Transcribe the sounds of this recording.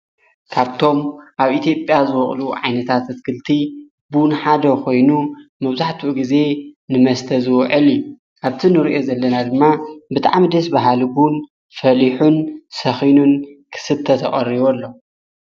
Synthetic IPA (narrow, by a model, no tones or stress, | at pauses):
kʰaβt̪ʰo̞mʔaβʔit̪ʰjo̞pʼjazɨwɔχʼluʕa̰jnɐt̪ʰat̪ɐt̪kʰɨlt̪ʰi | bunħad̪ɐkʰo̞jnumɐβzaħt̪ʰuʔɡize̞nɨmɐst̪ʰɐzɨwʕɨlu | ʔaβt̪ʰinɨɾiʔo̞zɐlːɐnad̪ɨmːabɨt̪ʰʼa̰ʕmid̪ɐsbaɦalbun | fɐliħunsɐxinunkʰɨ̥sɨβt̪ʰɐt̪ʰɐχʼɐriβolːo̞